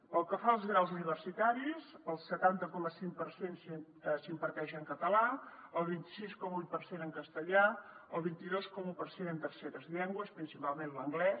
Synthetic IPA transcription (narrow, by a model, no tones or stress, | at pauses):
pəlˠkəfaəlˠzɣɾawzuniβ̞ərsit̪aɾizəlˠsət̪ant̪əkɔməsiŋpəɾsens | əsimpəɾt̪ɛʒəŋkət̪əlaəlˠβ̞int̪isiskɔməujt̪̚pəɾsenəŋkəst̪əʎaəlˠβ̞int̪iðoskɔməupəɾsenənt̪ərsɛɾəzʎɛŋɡwəspɾinsipalˠmẽnləŋɡlɛ